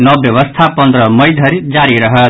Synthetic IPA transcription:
nʌbjʌbʌst̪ʰapʌnd̪ɾʌmʌjd̪ʱʌɾid͡zaɾiɾʌɦʌt̪

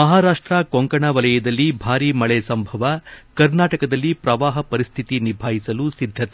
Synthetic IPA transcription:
mɐɦaːɾaːʂʈɾɐkoŋkɐɳɐʋɐlɐjɐd̪ɐlːibʱaːɾiːmɐɭɛsɐmbʱɐʋɐkɐɾnaːʈɐkɐd̪ɐlːipɾɐʋaːɦɐpɐɾist̪ʰit̪inibʱaːɦisɐlusid̪ʱːɐt̪e

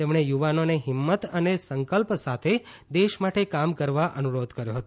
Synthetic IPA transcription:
t̪emɳ̃ejuʋanoneɦɪmːət̪ənesəŋkəlpsat̪ʰe | d̪eʃmaʈekamkəɾʋaʔənuɾod̪kəɾjoɦət̪o

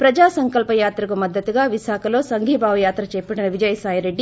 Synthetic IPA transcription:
pɾɐd͡ʒaːsɐŋkɐlpɐjaːt̪ɾɐkumɐd̪ːɐt̪uɡaːʋiʃaːkʰɐlo̞ːsɐŋɡʱibʱaːʋɐjaːt̪ɾɐt͡ʃɛːpːɐʈinɐʋid͡ʒɐjɐsaːjɐɾe̞ɖːi

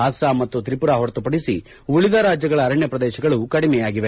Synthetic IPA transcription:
aːsamɐt̪ːut̪ɾipuɾaɦɔɾt̪upɐɽisi | uɭid̪ʱaːɾaːd͡ʒjɐɡɐɭɐːɾɐɳjɐpɾɐd̪ɛːʃɐɡɐɭukɐɽimɛjaːɡiʋe

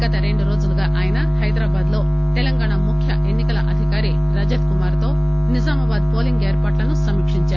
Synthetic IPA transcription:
ɡɐt̪ɐɾe̞ɳɖuɾo̞ːd͡ʒuluɡaːʔaːjɐnɐhɐjd̪ɾaːbaːd̪lo̞ː | t̪elɐŋɡaːɳamukʰjɐʔe̞nːikɐlɐʔɐd̪ʱikaːɾi | ɾɐd͡ʒɐt̪kumaːɾt̪o̞ː | nizaːmɐʋaːd̪̚po̞ːliŋɡeːɾpaːʈlɐnusɐmikʂiɲt͡ʃaːɾu

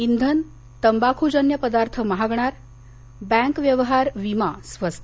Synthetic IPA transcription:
ind̪ʱən | t̪əmbakʰud͡ʑənjəpəd̪aɾt̪ʰəməɦaɡɳaɾ | bɛ̃ŋkʋjəʋɦaɾʋimasʋəst̪ʰ

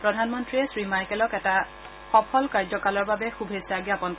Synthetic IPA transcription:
pɹɔdʱanmɔntɹiɛsɹimajkɛlɔkɛta | xɔpʰɔlkaɹzɔkalɔɹbabɛxubʱesaɡijapɔnk

